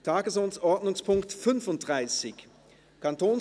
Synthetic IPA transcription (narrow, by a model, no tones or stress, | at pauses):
tʰaːɡəsoːnsʔɔɐdnʊŋspʰʊŋktfʏnfʊnt̚d̥ʁaɪsɪç | kʰantʰoːn